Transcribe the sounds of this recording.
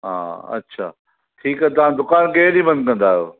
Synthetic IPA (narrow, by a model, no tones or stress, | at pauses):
ɦa̰ːɐ̰tːɕʰa̰ː | ʈʰiːkɦɛt̪̬ɐʋ̤ãd̪ʊkaːnkeɦɗibɐ̃nd̪̚kɐ̃nd̪aːɦjoː